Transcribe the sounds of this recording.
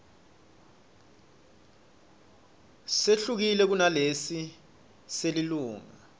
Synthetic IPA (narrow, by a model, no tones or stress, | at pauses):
seɬuk̬ilɛk̬unalesi | seliluːŋa